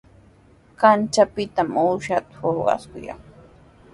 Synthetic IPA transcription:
kant͡ʃapɪt̪amuːʃat̪ʊ̥hoɾɢɑ̰skʊjɑ̰ŋ

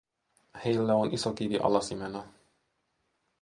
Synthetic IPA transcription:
hejlːɛonʔisokiviʔɒ̰lɑsimɛnɒ

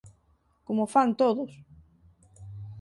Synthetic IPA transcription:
komʊfant̪oðʊs

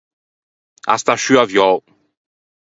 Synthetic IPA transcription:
a̰st̪aʃyavjɔw

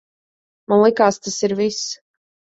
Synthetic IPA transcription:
manlˠikaːst̪asiɾvis

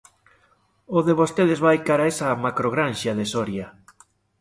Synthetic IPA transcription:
oðeβost̪eðezβajkaɾaesɐmakɾoɣɾanʃaðesɔɾja

